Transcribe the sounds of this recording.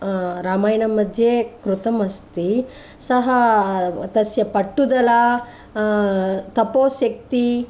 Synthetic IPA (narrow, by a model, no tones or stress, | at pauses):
ɾaːmaːjnɐmːɐd̪ʱjekɾut̪ɐmɐst̪i | sɐɦɐ | t̪ɐsjɐpɐʈːud̪ɐla | t̪ɐpoːsjɐk̚t̪i